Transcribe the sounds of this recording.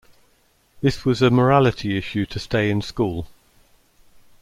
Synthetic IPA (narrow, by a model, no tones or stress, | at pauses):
ðɪswɒzəməɹalɪtʰiɪʃʉtʰəsteɪɪ̃nskuːlˠ